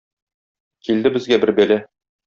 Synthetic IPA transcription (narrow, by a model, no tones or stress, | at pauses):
kild̪ɘbɘ̆zɡæbɘɾbælæ